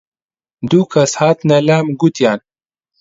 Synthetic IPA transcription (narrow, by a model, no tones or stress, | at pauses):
d̪ukɐshaːt̪nɐlaːmɡut̪jaːn